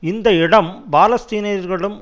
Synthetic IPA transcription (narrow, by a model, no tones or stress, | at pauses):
ɪnd̪ɐɪɽɐmbaːlɐst̪iːnɐjɐɾɣɐɭɯm